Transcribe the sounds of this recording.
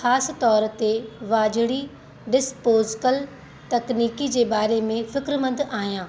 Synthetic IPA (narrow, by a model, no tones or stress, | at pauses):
xaːsɪt̪ɔːɾt̪eʋaːd͡ʑɪɽi | ɖɪspoːzkəl | t̪ɐkniːkid͡ʑeːbaːɾemẽfɪkɾmə̃nd̪aːɦijãː